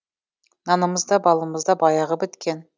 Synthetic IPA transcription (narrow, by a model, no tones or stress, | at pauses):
nɑnəməzd̪ɑbɑlˠɑməzd̪ɑbɑjɑʁəbɪt̪kʲe̞n